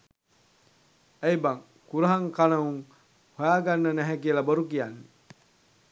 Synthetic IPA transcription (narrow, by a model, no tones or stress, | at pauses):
ejbaŋ | kuɾɐɦaŋkanɐuŋ | hojaːɡanːənæɦækielaboɾukijanːe